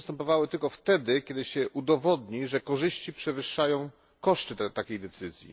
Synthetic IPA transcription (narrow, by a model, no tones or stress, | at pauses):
st̪ɛmpɔvawɘt̪ɘlkɔft̪ɛd̪ɘkʲɛd̪ɘɕɛʔud̪ɔvɔd̪ɲiʐɛkɔʐɘɕt͡ɕipʂɛvɘʂːajɔ̃w̃ | kɔʂt̪ɘt̪akʲejd̪ɛt̪sɘzʲjḭ